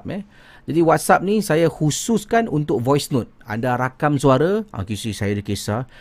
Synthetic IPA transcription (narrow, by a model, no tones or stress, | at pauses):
p̚ɛ̰ | d͡ʒadiwat̪̚sap̚nĩsajahusʊskanunt̪ʊk̚vɔjsnʊt̪̚a̰ndaɾakamsuaɾaa̰kisisajadəkesa